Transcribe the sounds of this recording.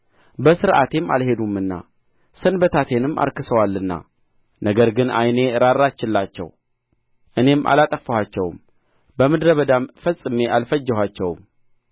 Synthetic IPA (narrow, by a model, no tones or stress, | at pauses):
bəsɨɾʔat̪ema̰lhe̞d̪umɨnːa̰ | sɨnbət̪ʰat̪ʰe̞nɨmːʔa̰ɾkɨsəwalːɨnːa̰ | nəɡəɾɡɨnajne̞ɾaɾːat͡ʃːɪlːat͡ʃːɛ̰w | ʔɨne̞mʔa̰lat̪ʼəfəwat͡ʃːɛwm | bəmɨd̪ɾəβəd̪amfəsʼɨme̞ʔalfəd͡ʒːɛhʷat͡ʃːɛwm